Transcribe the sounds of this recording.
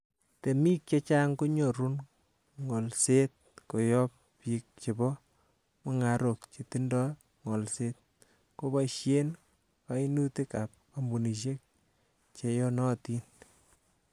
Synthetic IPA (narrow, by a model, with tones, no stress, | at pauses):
te˨miː˦k̚t͡ʃe˦t͡ʃa˦ŋko˦ɲɔ˨ɾu˦n | ŋɔ˨lse˦t̚ko˨jɔ˦p | pi˨k̚t͡ʃe˨bɔ˦ | mɔ˨ŋa˨ɾo˨k̚t͡ʃe˨ti˦ndɔ˦ | ŋɔ˨lse˦t̪̚ | ko˦ba˦ʃje˦n | ka˨i˦nu˦ti˦ka˨p̚ | a˨mbu˨ni˨ʃ̬e˦k̚ | t͡ʃe˨jɔ˦nɔ˦ti˦n